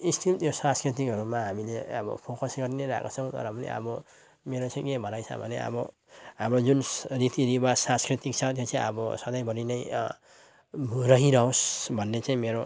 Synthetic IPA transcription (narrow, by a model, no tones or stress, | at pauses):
istʰimt̪josãskrit̪̬ikɦʌɾumaɦamileʌbʌ̰pʰokʌsɡʌɾinʌɾa̰kot͡sʰʌw̃t̪ʌ̰ɾʌmʌlḛʌ̰bʌ | meɾot͡saj̃kebʱʌnajt͡sʰʌ̰bʱʌnḛʌ̰bʌ | ɦamɾod͡zunrit̪iɾibasãskrit̪ikt͡sʰʌt̪̬jot͡saj̃ʌbʌsʌd̪ʌjbʌɾinʌj | rʌɦiɾʌɦosbʱʌnːet͡saĩmeɾo